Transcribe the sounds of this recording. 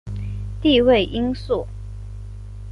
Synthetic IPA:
t̪i˥˧we˥˩ɪʔi˥ŋsu˥˩

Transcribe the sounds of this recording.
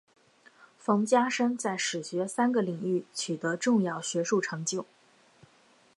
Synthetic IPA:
fɤ˧˥ŋt͡ɕja˥ʂə˥ŋt͡sa˥˩ɪʂɻ̩˨˩ɕɥɛ˧˥sa˥nɡə˨li˨˩ŋy˥˩t͡ɕʰy˨˩t̪ɤ˧˥ʈ͡ʂʊ˥˧ŋjɑ˥˩ʊɕɥɛ˧˥ʂu˥˩ʈ͡ʂʰɤ˧˥ŋt͡ɕjo˥˩ʊ

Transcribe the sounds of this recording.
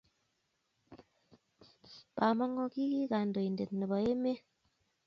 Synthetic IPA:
b̥a˨mɔ˦ŋɔ˦ki˦ki˦ɣa˨ndo˨jnde˨tnə˨bɔ˨je˦me˦

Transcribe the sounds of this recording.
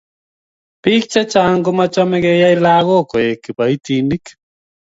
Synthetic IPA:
pi˦k̚t͡ʃa˦t͡ʃa˦ŋɡo˦ma˦t͡ʃɔ˦mɛ˦ɡɛ˦ja˦i˦la˦ɣo˦kɔ˨e˨ki˨pa˨i˦t̪i˦ni˦k

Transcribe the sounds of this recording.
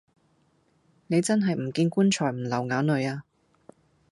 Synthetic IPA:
ne˨˧jt͡sɐ˥nɦɐ˨jm̩˨˩kiː˧nkuː˥nt͡ʃʰɔː˨˩jm̩˨˩lɐ˨˩wŋaː˨˥wnɵ˨˧jaː˧

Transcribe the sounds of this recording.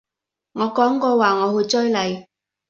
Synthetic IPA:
ŋɔː˨˧kɔː˨˥ŋkɔː˧waː˨ŋɔː˨˧hɵ˧jt͡sɵ˥jlɐ˨˧j

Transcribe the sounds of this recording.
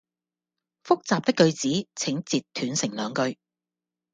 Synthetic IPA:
fʊ˥k̚t͡saː˨p̚t̪ɪ˥kːɵ˧ɥt͡siː˨˥t͡sʰɪ˨˥ŋt͡siː˨t̪ʰːyː˨˥nsɪ˨˩ŋlœː˨˧ŋkɵ˧ɥ

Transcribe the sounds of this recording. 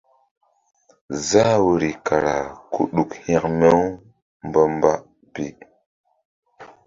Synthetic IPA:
za˦wu˨ɾi˨ka˨ɾa˨kʰu˨ɗu˨khĩ˦kme˦w | m˨bə˦mba˦ | bi˨

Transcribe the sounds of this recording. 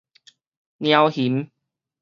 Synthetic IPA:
nj̃ã˧whi˨˦m

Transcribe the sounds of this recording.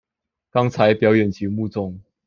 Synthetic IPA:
kɑ˥˦ŋt͡sʰa˨˦ɪpjɑ˨˦ʊjɛ˨˩nt͡ɕʰi˨˥˦mu˥˧t͡sʊ˥˨ŋ

